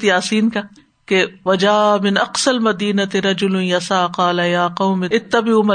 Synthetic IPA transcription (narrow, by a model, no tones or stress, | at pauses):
t̪jaːsiːnka | keʋɐd͡ʒaːmɪnʔɐqsɐlmɐd̪iːnɐt̪ɪɾɐd͡ʒʊlʊnjɐsaːqɑːlɐjaːqɐwmɪɪt̪ːɐbɪʊmɐ